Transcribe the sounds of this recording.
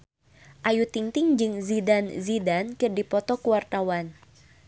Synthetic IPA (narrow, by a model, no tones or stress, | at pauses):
ʔajut̪iŋt̪ɪŋd͡ʒɨŋzidanzidankɨrdipɔt̪ɔkuwart̪awan